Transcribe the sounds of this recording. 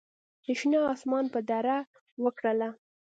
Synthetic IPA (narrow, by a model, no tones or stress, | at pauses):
ɪʃnɑːsmɑnpəd̪aɾa | wəkɽəla